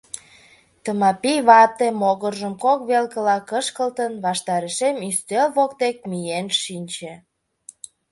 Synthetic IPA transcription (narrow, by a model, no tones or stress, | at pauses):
t̪əmɑpijβɑp̚t̪emoɣərʒəmkokβelkəlɑkəʃkəlt̪ənβɑʃt̪ɑɾeʃemist̪elβokt̪ek̚mijenʃinʲt͡ɕĕ